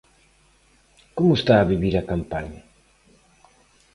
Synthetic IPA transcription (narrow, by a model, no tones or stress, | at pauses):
komʊest̪aːβiβiɾakampaɲa